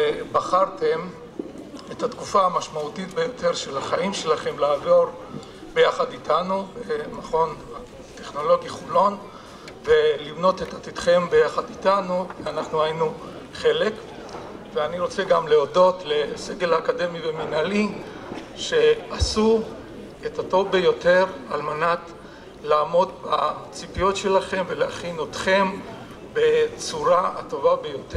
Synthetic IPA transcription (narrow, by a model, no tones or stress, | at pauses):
ebaχaʁte̞m | etat̪kufaːmaʃmaut̪it̪bejo̞t̪ʰe̞ʁʃe̞laχaimʃe̞laχe̞mlaːvo̞ʁ | be̞jaχad̪itʰanubemaχo̞na | t̪e̞χno̞lo̞ɡjiχulo̞n | ve̞livno̞t̪et̪at̪it̪χe̞mbe̞jaχad̪itanuveanaχnuajinu | χe̞le̞k | veaniʁo̞t͡se̞ɡamleodo̞tle̞se̞ɡe̞laːkade̞miveminali | ʃe̞asu | etato̞vbe̞jo̞te̞ʁalmanat | laːmo̞dbat͡sipijotʃe̞laχe̞mveleaχinotχe̞m | be̞t͡suʁaa̰to̞vabe̞jo̞te